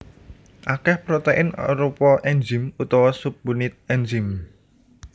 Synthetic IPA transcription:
ʔakɛhpɾot̪eʔɪna̰ɾupɔʔɛnd͡ʒɪmut̪ɔwɔsup̚bunɪt̪̚ɛnd͡ʒim

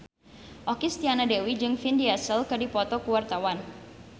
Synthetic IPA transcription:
ʔɔkist̪ianadewid͡ʒɨŋfindiasəlkɨrdipɔt̪ɔkuwart̪awan

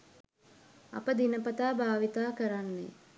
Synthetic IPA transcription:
ɐ̰pəd̪inəpɐt̪aːbʱaːʋit̪aːkəɾanːḛ

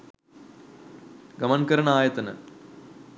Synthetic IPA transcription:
ɡɐmɐnkɐɾɐɳaːjɐt̪ːɐnɨ̰

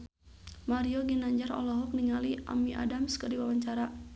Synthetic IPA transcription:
maɾiɔɡinaɲd͡ʒarɔ̰lɔɦɔk̚niŋaliʔa̰miʔa̰damskərdiwawaɲt͡ʃaɾa

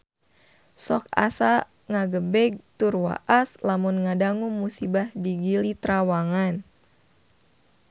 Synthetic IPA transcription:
sɔk̚a̰sa | ŋaɡəbɛɡ̚t̪urwa̰ʔaslamunŋadaŋuŋmusibahdiɡilit̪ɾawaŋan

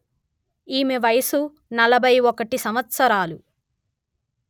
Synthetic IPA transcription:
iːmeʋɐjɐsu | nɐlɐbʱɐjɔkɐʈisɐmʋɐt̪sɐɾaːlu

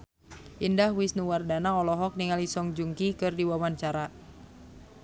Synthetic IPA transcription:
ʔindahwisnuwardanaɔlɔɦɔk̚niŋalisɔŋd͡ʒuŋkikɨrdiwawaɲt͡ʃaɾa

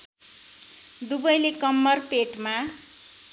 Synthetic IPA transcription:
d̪ubʌjlekʌmːʌrpeʈma

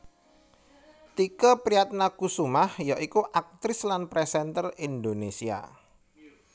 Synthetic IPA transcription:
t̪ikəpɾiat̪̚nakusumahjaʔikuʔak̚t̪ɾɪslanpɾesɛnt̪ərind̪onesia̰

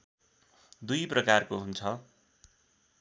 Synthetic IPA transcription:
d̪ujprʌkarkoɦunt͡sʰʌ

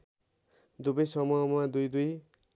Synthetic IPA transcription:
d̪ubʌjsʌmumad̪ujd̪uj

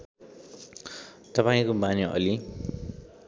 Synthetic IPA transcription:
t̪ʌpaĩkomanoʔʌ̰li

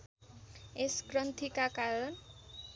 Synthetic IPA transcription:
eskrʌnt̪ʰikakaɾʌn

